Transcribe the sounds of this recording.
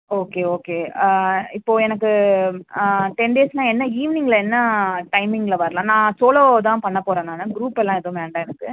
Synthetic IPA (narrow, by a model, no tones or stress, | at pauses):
oːkeːoːkeː | ɪpːoːɛnɐkːɯ | ʈɛɳɖeːsnãːɛnːɐiːʋɪnɪŋɡɐlɐɛnːɐʈɐɪmɪŋɡlɐʋɐɾɐlãːnãːsoːloːt̪ãːpɐɳːɐpoːɾɐ̃ːnãːnːɐɡɾuːpːɛlːãːɛðɐʋ̃ʋeːɳɖãːɛnɐkːɯ